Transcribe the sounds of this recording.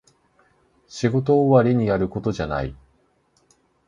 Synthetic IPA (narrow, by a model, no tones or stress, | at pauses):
ɕiɡo̞t̪̬o̞ːβaɾʲiɲ̟iaɾɯ̟ko̞t̪o̞ʑana̰ḭ